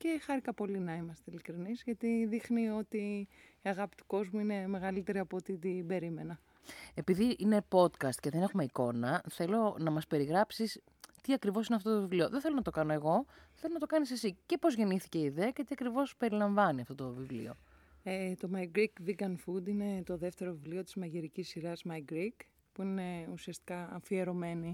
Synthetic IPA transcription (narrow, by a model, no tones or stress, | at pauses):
ce̞xɐɾikɐpo̞linɐimɐst̪eilikɾinizʝɐt̪iðixnio̞t̪iiɐɣɐpi̥t̪u̥ko̞zmuine̞me̞ɣɐlit̪e̞ɾiɐpoot̪it̪ibe̞ɾime̞nɐ | e̞piðiʔine̞po̞t̪kɐst̪ce̞ðene̞xume̞iko̞nɐθe̞lo̞nɐmɐspe̞ɾiɣɾɐpsis | t̪iɐkɾivosineɐft̪ot̪ovivlioðenθelonɐt̪o̞kɐno̞eɣo̞θe̞lo̞nɐt̪okɐnise̞sice̞po̞zʝe̞niθi̥ce̞iðeɐce̞t̪iɐkɾivo̞spe̞ɾilɐɱvɐniɐft̪o̞t̪o̞vivlḭo̞̰ | et̪o̞mɐjɡɾikviɡɐnfud̪ine̞t̪o̞ðe̞ft̪e̞ɾovivlio̞t̪izmɐʝeɾicisːiɾɐzmɐjɡɾik | puine̞usiɐst̪i̥kɐɐ̰fieɾo̞me̞ni